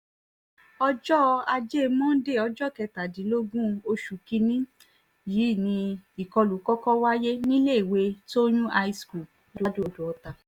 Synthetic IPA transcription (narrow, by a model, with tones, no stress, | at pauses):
ɔ˧d͡ʒɔ˦a˧d͡ʒe˦˧mɔ̃˦de˦˨ɔ˧d͡ʒɔ˦˨kɛ˨˧˨ta˨dĩ˨˦lo˦ɡũ˦o˧ʃu˨ki˧nĩ˦ | jiː˨˦˨nĩ˧i˨kɔ˧lu˨˦kɔ˦kɔ˦wa˦je˦nĩ˦le˦i˨we˧to˦j̃ũ˦ʔa˧i˧sku˨ | lo˦do˦˨do˨ɔ˧ta˨